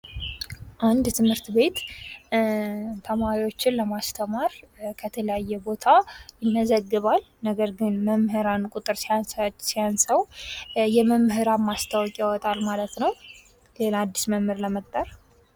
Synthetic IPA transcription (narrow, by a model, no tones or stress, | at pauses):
ʔand̪t̪ʰɨmhɨɾt̪be̞t̪ | t̪ʰəmaɾiwo̞t͡ʃːɪnləmast̪ʰəmaɾkʰət̪ʰələjajːɛbo̞t̪ʰajɪnːəzəɡːɨβal | nəɡəɾɡɨnməmɦɨɾankʼʊt̪ʼɨɾsasijansəwjɛməmɦɨɾamːast̪ʰawɔkʼjawɔt̪ʼalmalət̪nəw | lelaad̪ːisməmhɨɾləmət̪ʼːər